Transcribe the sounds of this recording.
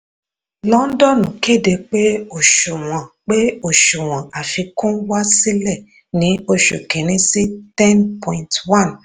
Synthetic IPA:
lɔ̃˦n̩˦dɔ˦˨nũ˨ke˦˨de˧k͡pe˦o˦˨ʃu˨w̃ɔ̃˨k͡pe˦o˨ʃu˨w̃ɔ̃˨a˨fi˧kũ˦wa˦si˦lɛ˦˨ | nĩ˨˦o˧ʃṵ˨ke˨ñĩ˧˦si˦tɛ̃˦npʰɔ̃˨ĩ˨ntwã˦˨n

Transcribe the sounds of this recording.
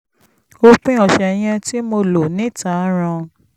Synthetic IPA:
o˦k͡pĩ˦ɔ˨ʃɛ˨j̃ɛ̃˧ti˦mo˧lo˨nĩ˨˦˨ta˨˦ɾ̃ã˧

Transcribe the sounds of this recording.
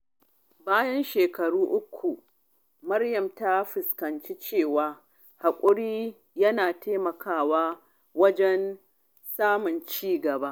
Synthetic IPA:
baː˦jɐ˦nʃeː˨kɐ˨ɽuː˦ʔʊ˦kʷʰːu˨ | mɐ˦rjɐ˨mta˦ɸɪ˨skɐ˨nt͡ʃi˦t͡ʃeː˦˨waː˨ | ha˨kʷʼʊ˦ɽiː˦ | jɐ˦naː˨teː˦mɐ˨kʰaː˦˨waː˦ | wɐ˦d͡ʒɛ˦n | saː˦mʊ˨nt͡ʃiː˦˨ɡɐ˨ba˦ʔ

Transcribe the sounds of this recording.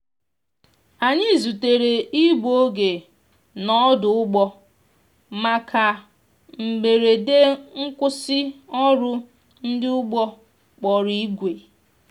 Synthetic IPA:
a˨ɲɪ˦˨zu˨te˨ɾe˨i˦bo˦ɡe˨ | nɔ˦dʊ˨ʊ˦ɡ͡bɔ˦ | ma˨kʰa˨ | m̩˨ɡ͡be˨ɾe˨de˦ŋ̩˦kʷʊ˦sɪ˦ɔ˦ɾʊ˦ | n̩˦dɪ˦ʊ˦ɡ͡bɔ˦ | k͡pɔ˨ɾi˦i˦ɡʷe˨

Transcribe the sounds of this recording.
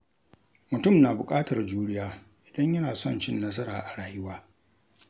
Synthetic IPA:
mʊ˨tʊ˦˨mnaː˨bʊ˨kʼaː˦tɐ˨rd͡ʒuː˦ɽɪ˦jaː˦ | ʔɪ˨dɐ˦ɲjɐ˦naː˨sɔ˦˨nt͡ʃɪ˦nːɐ˦s̬ɐ˦ɾaː˨ʔa˨ɽaː˨jɪ˦waː˦

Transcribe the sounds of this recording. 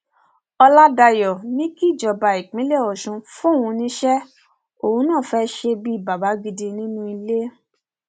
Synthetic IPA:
ɔ˧la˦da˧jɔ˨nĩ˦ki˦˨d͡ʒɔ˨ba˨i˨k͡pĩ˨˦le˦˨ɔ˨ʃũ˧fũ˦˨ũ˧nĩ˦ʃɛ˦ | o˨hũ˧˦nãː˦˨fɛ˦ʃe˧bi˦˨ba˨ba˨˦ɡ͡bi˧di˧nĩ˦nũ˦i˧le˦

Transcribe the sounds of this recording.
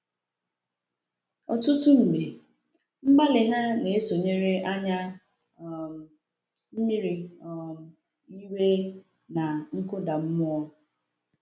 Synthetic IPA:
ɔ˨tʊ˦tʊ˦m̩˨ɡ͡be˨ | m̩˦ɡ͡ba˦lɪ˨ɦa˦ne˨e˦so˨ɲe˦ɾe˦ʔa˦ɲa˦˨ | m̩˦mi˦ɾi˨ | i˦we˦ | na˨ŋ̩˦kʊ˦da˨m̩˦mʊ˦ɔ˦

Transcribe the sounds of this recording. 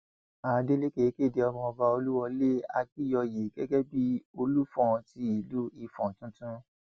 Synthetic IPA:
a˨˦de˦le˦ke˨˦ke˦˨de˧ɔ˧mɔ̃˧ɔ˧ba˧o˧lu˦wɔ˧le˦a̰˧ki˦jɔ˧je˨ɡɛ˦ɡɛ˦bi˦o˧lu˦fɔ̃˦˨ti˧˦i˨lu˦i˧fɔ̃˨tũ˦tũ˦

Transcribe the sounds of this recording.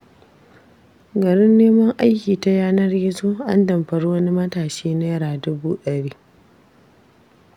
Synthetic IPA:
ɡɐ˨ɾɪ˦nːeː˦mɐ˦ŋʔa˦jkʲiː˨ta˦jaː˦nɐ˦rjɪ˦zoː˦ʔa̰˦ndɐ˨mɸɐ˨ɽwɐ˦ni˦mɐ˦taː˨ʃeː˦na˦jɐ˦ɽaː˨dʊ˦buː˦ɗɐ˨ɽiː˦

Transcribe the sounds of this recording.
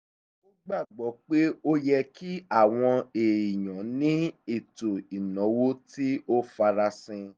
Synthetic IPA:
o˦ɡ͡ba˦˨ɡ͡bɔ˨˦k͡pe˦o˦jɛ˧ki˦a˦˨w̃ɔ̃˧e˨i˨j̃ã˨˦nĩ˦i˦˨to˨i˨nɔ̃˨˦wo˦ti˦o˦fa˧ɾa˧sĩ˧

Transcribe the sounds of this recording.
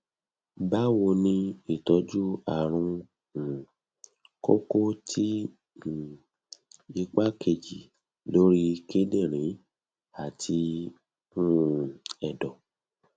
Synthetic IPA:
ba˦wo˧nĩ˧i˦˨tɔ˨˦d͡ʒu˦a˦˨ɾ̃ũ˧ | ũ˨ | ko̰˦ko˦tʰi˦˨ | i˧k͡pa˦kʰe˧˨d͡ʒi˨ | lo˦ɾi˦ke˦de˦˨ɾ̃ĩ˨˦ | a˦˨tʰi˧ | ũ˦ɛ˨dɔ˨

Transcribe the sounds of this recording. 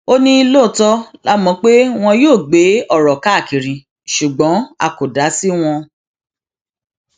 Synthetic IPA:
o˦nĩ˦i˧loː˦˨tɔ˦la˦mɔ̃˨˧˦k͡pe˦w̃ɔ̃˧joː˦˨ɡ͡be˨˦ɔ˦˨ɾɔ˨ka˨˦˨ki˨ɾĩ˨ | ʃu˨ɡ͡bɔ̃˨˦a̰˧˨ko˨da˨˦si˦w̃ɔ̃˧

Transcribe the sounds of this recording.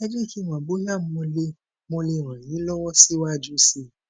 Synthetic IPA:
ɛ˦d͡ʒe˦˨ki˨˦w̃ã˨ɡ͡bo˨˦ã˦˨m˦mɔ̃˧le˧ | mõ˧le˧˨w̃ã˨jĩ˨˦lɔ˦wɔ˦si˦wa˦d͡ʒu˦si˧

